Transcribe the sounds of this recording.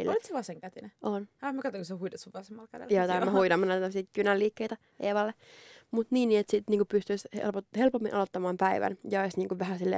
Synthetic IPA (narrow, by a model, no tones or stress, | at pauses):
lːlt̪seʋɑseŋkæt̪ineʔonhɑmækɑt̪ːoŋkosehuidɑsuʋɑsemːɑlkædḛjoːt̪æmæhuidɑmːɑnæt̪t̪msiːt̪kynælːiːkːeit̪æ | ʔeːʋɑlːe | mut̪niːnːiːet̪sit̪niːŋkupyst̪yshḛlpohelpomːḭnʔɑlot̪ːɑmɑːmpæiʋæ̰njɑoisniːŋkuʋʋæhæsilːḛ